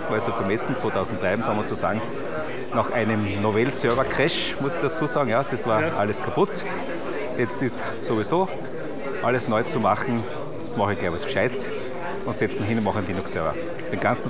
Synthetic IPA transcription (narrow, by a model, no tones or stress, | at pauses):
vaɪsoːfɐmɛsn̩t͡sv̥oːt̪ʰaʊzn̩t̪̚ːʁaɪmsɔmɐt͡sosa̰ːɡŋ̩ | naχʔæ̰ɪnəmnovɛlsœɐvɐkʰʁɛʃ | mʊsɪçd̥at͡suːsɑːɡŋ̩jaːd̥ɑsvaːɐʔaləskʰapʊt | jɛt͡stɪst | soʋisoː | ʔaləsnɔʏt͡sumaχn̩ | desmɑχəɡ̥laɪbɑskʃaɪt͡s | ʊntsɛt͡sm̩ɦɪ̃nʊnmɑχnlinʊksœɐvɐ̰ | d̥enɡ̥ãnt͡sn̩